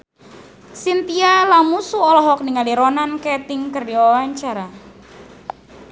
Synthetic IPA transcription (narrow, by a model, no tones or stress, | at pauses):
sint̪ialamusuɔlɔɦɔk̚niŋaliɾɔnankɛt̪ɪŋkɨrdiwawaɲt͡ʃaɾa